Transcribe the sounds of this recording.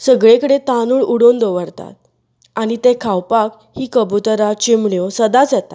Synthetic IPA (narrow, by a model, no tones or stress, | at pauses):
səɡɭẽkəɽet̪anuːɭuɽond̪oʋəɾt̪a̰t̪̚ | añit̪ekʰawpak | hiːkəbut̪əɾat͡ɕimɳjosəd̪at͡sɛt̪a